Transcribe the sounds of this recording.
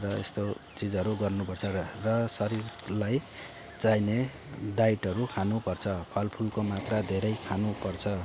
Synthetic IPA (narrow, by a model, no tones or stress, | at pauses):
rʌḛst̪ot͡sid͡zʌɾuɡʌrnupʌrt͡sʰʌrʌsʌɾirlaj | t͡sajne | ɖajʈʌɾukʰanupʌrt͡sʰʌpʰʌlpʰulkomat̪rad̪ʱeɾʌjkʰanupʌrt͡sʰʌ